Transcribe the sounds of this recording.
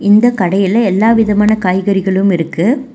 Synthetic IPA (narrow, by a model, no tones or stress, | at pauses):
ɪnd̪ɐkɐɽɐjɪlɐɛlːaːʋɪðɐmaːnɐkaːjɣɐɾɪɣɐɭɯmɪɾɯkːɯ